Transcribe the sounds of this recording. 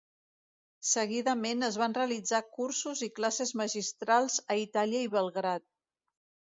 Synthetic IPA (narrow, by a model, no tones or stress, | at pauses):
səɣiðəmenəzβanreəlid͡zakuɾsuziklasezməʒist̪ɾalˠzəit̪aliəiβəlˠɣɾat̪̚